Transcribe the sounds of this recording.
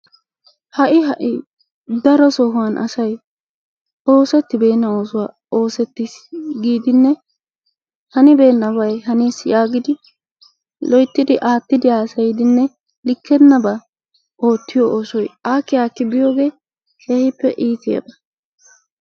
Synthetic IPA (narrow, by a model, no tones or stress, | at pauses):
hɐʔɪɦɐʔɪ | d̪ɐɾɔsɔhʊwɐnʔɐ̰sɐj | ʔo̞ːsɛt̪ːɪbe̞ːnːɐo̞ːsʊwaː | o̞ːsɛt̪ːɪsɡiːd̪ɪnːɛ | hɐnɪbe̞ːnːɐβɐjɦɐniːsjaːɡɪd̪ɪ | lɔjt̪ːɪd̪ɪʔaːt̪ːɪd̪ɪaːsɐjɪd̪ɪnːɛ | lɪkːɛnːɐba | ʔo̞ːt̪ːɪjɔʔoːsɔjaːkːɪjaːkːɪbɪjo̞ːɡe̞ː | kʰe̞ːhɪpːɛ̰ʔiːt̪ɪja̰b̪ɐ